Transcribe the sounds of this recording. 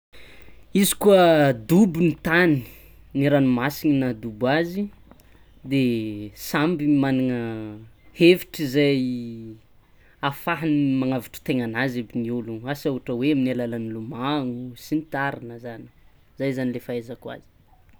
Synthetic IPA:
izi̥kuəd̪ubunit̪ani̥ | niɾanumasiŋinad̪ubazi | d̪esambimaniŋə | heviʈ͡ʂizaj | afaɦanimaŋaviʈ͡ʂə̥t̪eŋanazebiniuluasauʈ͡ʂəweaminalalanilumaŋusinit̪aɾinəzani̥ | zajzanilefaezakwa̰zi̥

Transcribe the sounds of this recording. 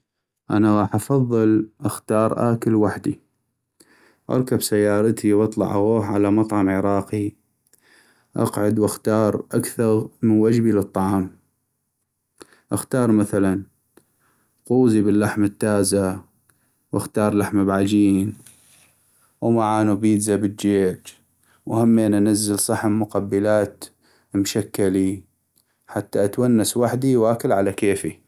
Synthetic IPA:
ʔa̰naɣɑːħʔɑfɑðˤːɨlʔaxt̪ɑːɾˤʔa̰ːkəlwaħd̪i | ʔɑ̰ɾˤkabsajːɑːɾˤɑt̪ʰiwʔɑt̪ˤlɑ̰ʕʔaɣoːhʕalamɑt̪ˤʕɑmʕɪɾˤɑːqi | ʔɑ̰qʕʊd̪wɪxt̪ɑːɾˤʔakθɑɣmənwad͡ʒbilɨt̪ˤːɑʕɑːm | ʔaxt̪ɑːɾˤmaθalan | quːzibəlːaħmat̪ːaːza | wʔaxt̪ɑːɾˤlaħmabʕad͡ʒiːn | wmaʕaːnubiːd̪zabətːd͡ʒeːd͡ʒ | wahamːeːnʔanazːalsˤɑħəmːʊqabːəlaːt̪ | mʃakːali | ħat̪ːaʔat̪wanːaswaħd̪iwaːkɪlʕalakeːfi

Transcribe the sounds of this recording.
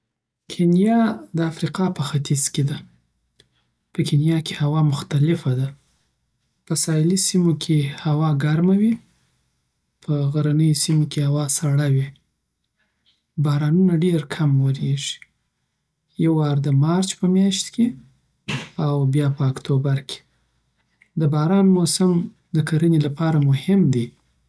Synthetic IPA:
kʰenjɑd̪əafɾiqɑpəxat̪iz̥ked̪a | pəkʰenjɑke̥hawɑmʊxt̪alɪfad̪a | pəsɑɪlisimokʰehawɑɡaɾmawi | pʰəɣaɾanəjosimokehawɑsaɽawi | bɑɾɑnunaɖeɾkʰamwəɾeʒi̥ | jawɑɾd̪əmɑɾt͡ʃpəmjɑʃt̪ke | awbjɑpəakt̪ʰobaɾkʰe̥ | d̪əbɑɾɑnmosam | d̪əkaɾənelapɑɾamʊhɪmd̪i

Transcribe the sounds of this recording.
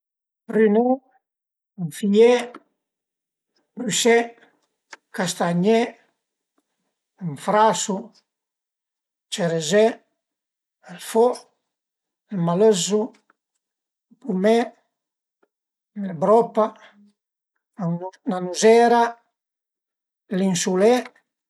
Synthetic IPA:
pɾyne | ɱfijɛ | bysɛ | kast̪aɲɛ | uɱfɾasu | t͡ʃeɾezɛ | əlfɔ | lmaləzu | lpumɛ | nelbɾɔpa | nanuzɛɾa | linsulɛ

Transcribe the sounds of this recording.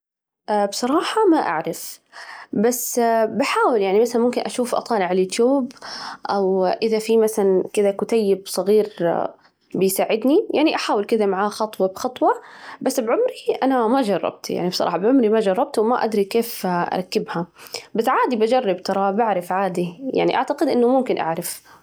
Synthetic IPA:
ʔabsˤɑɾˤɑːħɑmaʔa̰ʕɾɪf | basːbaħaːwɪljaʕnimasalanmʊmkɪnʔaʃuːfʔɑ̰t̪ˤɑːlɪʕaljʊːt̪juːbʔawʔɪðafimaθalankɪd̪akʊt̪ajːɪbsˤɨɣiːɾ | bɪjsaːʕɪd̪nijaʕniʔaħaːwɪlkɪd̪amaʕaːxɑt̪ˤwɑbxɑt̪ˤwɑbasːbʕʊmɾiʔanamad͡ʒɑrˤːɑ̰b̚t̪ja̰ʕnibsˤɑ̰ˤɑ̰ːħɑbʕʊmɾimad͡ʒɑrˤːɑb̚t̪wɪmaʔa̰d̪ɾikeːfʔɑ̰ɾˤɑkːɪbhabasʕaːd̪ibad͡ʒɑrˤːɑbt̪ɑɾˤɑbaʕɾɪfʕaːd̪ija̰ʕnḭʔa̰ʕt̪aqɪd̪ʔɪnːʊmʊmkɪnʔa̰ʕɾɪf

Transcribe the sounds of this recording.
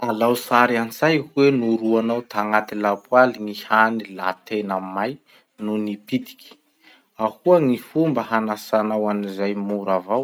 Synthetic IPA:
alawsaɾant͡sajhuwenuɾuanawt̪ʰaŋat̪ilapwaliŋihanila̰t̪enamaj | nunipid̪i̥kʲi̥ | ahuəŋifumbəhanasanawanizajmuɾavaw

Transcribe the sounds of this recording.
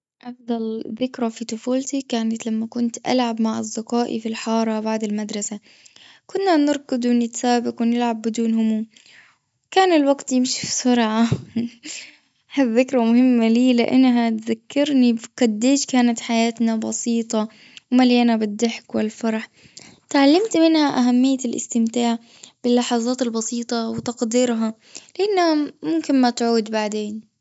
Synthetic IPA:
ʔɑfd̪ˤɑlðɪkɾafit̪ˤʊfuːlt̪ikaːnat̪lamːakʊnt̪ʔa̰lʕabmaʕɪ̰zːɪqaːʔḭfilħɑːɾˤɑbaʕd̪ɪlmad̪ɾˤɑsa | kʊnːanɪɾˤɡʊd̪wɪnɪt̪saːbɪqwnɪlʕabːɪd̪uːnhʊmu | wkaːnɪlwaɡt̪jɪmʃi̥fsʊɾʕa | haððːɪkɾˤamʊhɪmːaliːlɪ̰ʔa̰nːɦat̪zakːɪɾniqad̪ːeːʃkaːnat̪ħajaːt̪nabɑsiːt̪ˤɑ | wmaljaːnabɪd̪ːaħkwɪlfɑɾˤɑħ | t̪ʕalːamt̪mɪnhaʔaɦamːɪjːalʔɪ̰st̪ɪmt̪aːʕ | b̥ɪlːɑħɑzˤɑːt̪ɪlbɑsiːt̪ˤɑwɪt̪ɑqd̪iɾɦɑ | lɪʔanːhamʊmkɪnmat̪ʕuːd̪baʕd̪eːn

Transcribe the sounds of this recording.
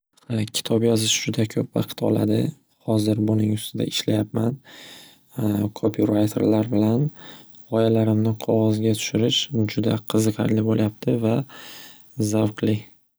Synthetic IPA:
kʲʰɪ̥t̪ʰɒpjɒzɪʃd͡ʒʊd̪akʲʰɵpvɑ̰qʰɨ̥t̪ɒ̰la̰d̪ɪ̰ | hɒzɪɾbʊnɪŋʊst̪ʰɪd̪a̰ɪʃlajapman | kʰopʰiɾajt̪ʰḛɾlaɾbɪlan | ɒjalaɾɪmnɪqʰɒʁɒzɡʲat̪ʰʊ̥ʃɪɾɪʃd͡ʒʊd̪aqʰɨzɨqʰɑ̰ɾlɪboljap̚t̪ʰɪva | zawqlɪ

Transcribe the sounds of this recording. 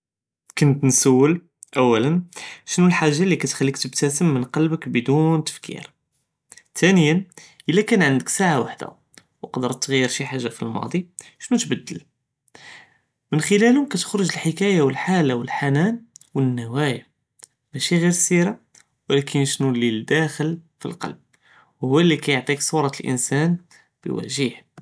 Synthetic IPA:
kʊnt̪nsəwːəl | ʔæwːælənʃnulħaʒːalikæt̪xælːik̚t̪əbt̪æsəmːənqɑlbəkbəd̪unt̪ə̥fkʰḭɾ | t̪ʰænəjænʔəlːækænʕənd̪əksaʕawaħd̪a̰ | wqd̪əɾt̪ːɣæjːəɾʃiħaʒːafilmɑ̰d̪ˤiʃnut̪bəd̪ːəl | mənxəlælhʊmkæt̪ə̥xɾʊʒəlħəkæjawəlħalawəlħanænwənːæwæja | mæʃiɣiɾsiɾa | wəlækʰənʃnulid̪æxəlfḭlqɑ̰lb̚ | whʊwːælːikæjoʕt̪ˤiksˤuɾˤɑlʔə̰nsæn | b̥ə̰wæ̰ʒiħ

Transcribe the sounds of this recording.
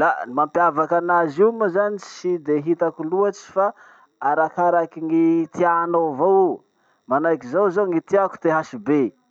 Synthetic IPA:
lamampiavakanaziməzanit͡ʃid̪eɦit̪akuluat͡ʃi̥fa | aɾakaɾakiŋit̪ianovowu | manajkizawzoŋit̪iaku̥t̪eɦaʃibe

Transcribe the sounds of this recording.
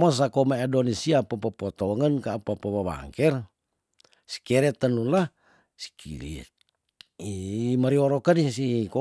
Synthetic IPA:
mas̬akomaadonisiapəpəpot̪ɔŋənkaːpapaβaβa̰ŋkɛr | si̥kɛɾɛt̪ənula | si̥kʰḭlḭ | imaɾioɾokənisiko

